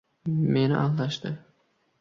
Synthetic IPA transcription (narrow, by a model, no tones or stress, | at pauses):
me̞nɪ̰ʔalˠd̪aʃt̪ɪ